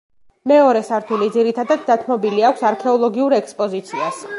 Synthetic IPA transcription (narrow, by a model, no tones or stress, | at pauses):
mɛɔɾɛsaɾt̪ʰulid̪ziɾit̪ʰad̪ad̪ːat̪ʰmɔbiliakʷʰsaɾkʰɛɔlˠɔɡiuɾɛkspʼɔzit̪sʰias